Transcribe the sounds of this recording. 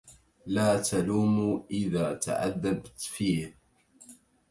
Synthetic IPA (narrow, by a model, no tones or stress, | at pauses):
laːt̪ʰaluːmuʔɪðaːt̪ʰa̰ʕa̰ðːabt̪fiːh